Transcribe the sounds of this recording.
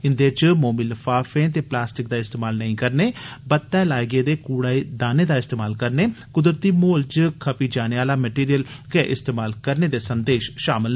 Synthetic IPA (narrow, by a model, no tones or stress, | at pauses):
ɪnd̪eːt͡ʃmoːmiːləfaːfẽːt̪eːplaːsʈɪk̚d̪aːɪst̪eːmaːlnəĩːkəɾneːbət̪ːɛːlaːeɡeːd̪eːkuːɽaːid̪aːneːd̪aːɪst̪eːmaːlkəɾneːkʊd̪ɾət̪iːmoːlt͡ʃkʰəpiːd͡ʒaːneːaːlaːmɛʈiːɾijəlkɛʔɪst̪eːmaːlkəɾneːd̪eːsənd̪eːʃʃaːmɪl